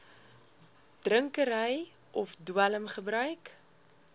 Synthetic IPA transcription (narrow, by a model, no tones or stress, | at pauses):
d̥rəŋkəɾəj | ʔɔfdwələmχəbɾœɥk